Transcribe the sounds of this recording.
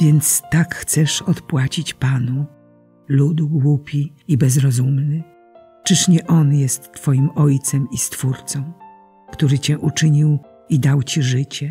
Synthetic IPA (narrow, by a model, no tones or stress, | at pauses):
vʲjɛnt̪st̪akxt̪sɛʂɔt̪pwat͡ɕit͡ɕpanu | lud̪ɡwupʲiːbɛzɾɔzumnɘ | t͡ʂɨʂɲɛʔɔnjɛst̪ːfɔjimɔjt̪sɛmist̪fuɾt̪sɔ̃w̃ | kt̪uɾɘt͡ɕɛʔut͡ʂɘɲiw | id̪awt͡ɕiʐɘt͡ɕɛ